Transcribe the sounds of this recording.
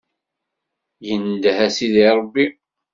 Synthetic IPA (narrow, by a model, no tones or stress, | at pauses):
jənd̪hæsiðiɾˤəbːi